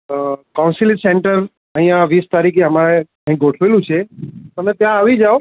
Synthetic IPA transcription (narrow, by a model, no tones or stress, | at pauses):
kaũnsiliseɳʈəɾ | əɦĩjãʋist̪aɾikʰeɦəmaɾe | əɦĩɡʱoʈʰʋelũt͡ʃʰeənet̪jãːʋid͡ʒao